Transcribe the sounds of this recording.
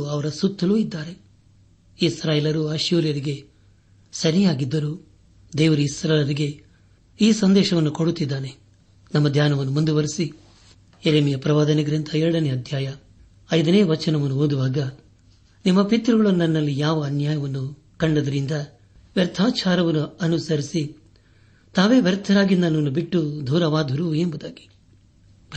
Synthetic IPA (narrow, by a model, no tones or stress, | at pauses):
uɐʋɐɾɐsut̪ʰːɐluːid̪ːaːɾe̞ | isɾaːjeːlɐɾuɐʃjuːɾjɐɾiɡe̞ | sɐɾijaːɡid̪ːɐɾuː | d̪ɛːʋɐɾuisɾalɐɾiɡe̞ | iːsɐnd̪ɛːʃɐʋɐnːukoɽut̪ːid̪ːaːne | nɐmːɐd̪jaːnɐʋɐnːumund̪uʋɐɾisi | eɾeːmijɐpɾɐʋaːd̪ɐnɐɡɐɾint̪ʰɐɛɾɐɽɐneɐd̪ʱjaːjɐ | ɐjd̪ɐneːʋɐt͡ʃːɐnɐʋɐnːuoːd̪uʋaːɡɐ | nimːɐpit̪ɾuɡɐɭɐnːɐnːɐlːijaːʋɐːnjaːjɐʋɐnːu | kɐɳɖɐd̪ɐɾind̪ɐ | ʋjɐɾt̪ʰaːt͡ʃaːɾɐʋɐnuɐnusɐɾisi | t̪aːʋe̞ːʋjɐɾt̪ʰɐɾaːɡind̪ɐnɐʋnːubiʈːud̪ʱuːɾɐʋaːd̪ʱuɾuembud̪aːɡi̥